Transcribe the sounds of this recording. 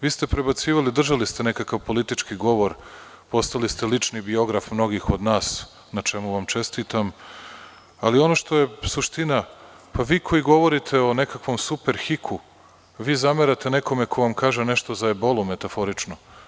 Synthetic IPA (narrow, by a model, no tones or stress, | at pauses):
ʋiːst̪e̞pɾe̞bat̪siːʋalid̪r̩ʒalist̪e̞ne̞kakaʋpolit̪it͡ʃkiɡo̞ʋo̞ɾ | po̞st̪alist̪e̞lit͡ʃnibio̞ɡɾafmno̞ɡixo̞d̪naːs | nat͡ʃe̞muʋamt͡ʃe̞st̪iːt̪am | alio̞no̞ʃt̪o̞je̞suʃt̪ina | paʋiːkʰo̞jiɡo̞ʋo̞ɾit̪ʰe̞o̞nekakʋo̞msupe̞ɾxikʰu | ʋiːzameɾat̪e̞ne̞ko̞mekʰo̞ʋamkaːʒeneʃt̪o̞zaebo̞lˠume̞t̪afo̞ɾit͡ʃno